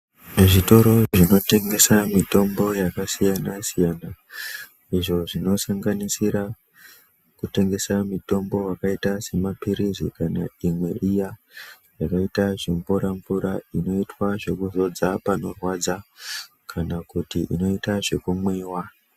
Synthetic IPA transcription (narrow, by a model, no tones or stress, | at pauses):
ʐito̞ɾo̞ʐino̞te̞ŋɡe̞samito̞mbo̞jakasijanasijaːna | iʐo̞ʐino̞saŋɡanisiɾa | kute̞ŋɡe̞samito̞mbo̞wakaitase̞mapiɾizḭkana̰imwe̞ʔija | jakaitaʐeɱvuɾaɱvuɾaino̞itwaʐe̞kuzo̞d͡zapano̞rwad͡za | kʰanakutiʔino̞itaʐe̞kumweːwa